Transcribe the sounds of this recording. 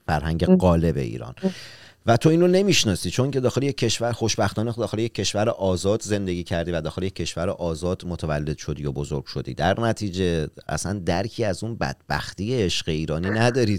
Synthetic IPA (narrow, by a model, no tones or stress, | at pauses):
fæɾhæŋɟeɢɒːle̞be̞̰ḭːɾɒ̰n | væt̪ʰo̞iːnɾone̞miʃnɒːsiːt͡ʃʰo̞ŋkcʰe̞d̪ɒːxe̞lijecʰʲːeʃvæɾxo̞ʃbæxt̪ɒːned̪ɒːxe̞lejecʲʰːe̞ʃvæɾeʔɒːzɒːd̪ze̞nd̪e̞ɡʲiːcʰæɾd̪iːvæd̪ɒːxe̞lijecʰːe̞ʃvæɾeʔɒːzɒːd̪̥mot̪ʰævælːe̞d̪̥ʃo̞d̪iːjobozoɾɡ̥ʃo̞d̪ḭːd̪æɾnæt̪ʰiːd͡ʒe̞æ̰sænd̪æɾcʰiːæzunbæ̰d̪̥̚bæ̰xt̪iːjeeʃɢe̞iːɾɒːninæd̪ɒːɾiːd̪̥